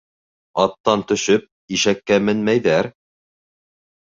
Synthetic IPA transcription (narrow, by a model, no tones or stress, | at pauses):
ɑt̪ːɑnt̪ɵ̆ʃɵp̚ | iʃækːæmɘnmæjðæɾ